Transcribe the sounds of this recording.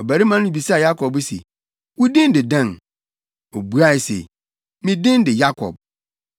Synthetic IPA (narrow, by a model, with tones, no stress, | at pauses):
ɔ˨bæ˨ɾi˦mã˦nʊ̃˦bi˨sa˦˨ja˦kʰɔ˨bsḛ˨ | wʊ˦dɪ̃˦n˦dɪ˨dã˦˨n | o˨bu˦a˦˨ɪ˨sḛ˨ | mĩ˦dɪ̃˦n˦dɪ˨ja˦kʰɔ̰˨b̚